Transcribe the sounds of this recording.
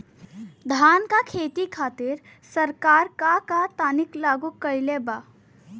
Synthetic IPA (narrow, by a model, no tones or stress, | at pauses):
d̪ʱaːnkakʰeːt̪ikʰaːt̪ɪɾ | sɐɾkaːɾkakat̪aːnɪklaːɡukɐɾleba